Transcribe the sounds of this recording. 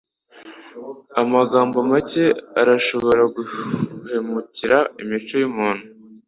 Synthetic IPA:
amaɡaːmbomace̞aɾaʃo̞βo̞ɾaɡuhemuciɾaimit͡ʃojumuːn̥hu

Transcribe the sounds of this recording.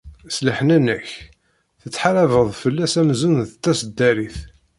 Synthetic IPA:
sləħənænəç | θət͡sːħaɾævəðˤfəlːæsæmzunðət̪ːæsəd̪ːæɾiθ

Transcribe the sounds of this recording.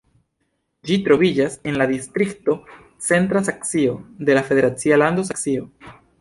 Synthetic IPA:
d͡ʒit̪ɾo̞βid͡ʒase̞nlaðist̪ɾikt̪o̞ | t͡se̞nt̪ɾas̬aksio̞d̪e̞lafe̞ðe̞ɾat͡sialand̪o̞s̬aksio̞

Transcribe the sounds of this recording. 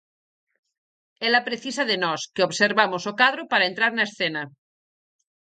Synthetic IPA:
elapɾeθisaðenɔskeoβseɾβamosokað̞ɾopaɾaent̪ɾaɾnaesθena

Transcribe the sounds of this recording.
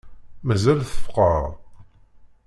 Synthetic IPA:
mæzælθəfqəɾˤ

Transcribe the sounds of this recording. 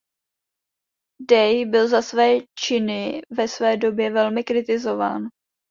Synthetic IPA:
dɛjbɪlzasvɛːt͡ʃɪnɪvɛsvɛːdo̞bjɛvɛlmɪkɾɪt̪ɪzo̞va̰ːn

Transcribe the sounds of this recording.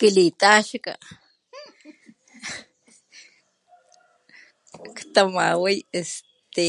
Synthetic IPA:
kilit̪aʃka̰ | kt̪amawijest̪e

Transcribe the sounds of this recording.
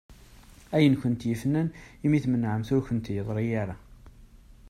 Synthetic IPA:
æjənçʊnt̪jəfnːænimiθmənːʕəmθʊɾçʊnt̪jəðˤɾijaɾa

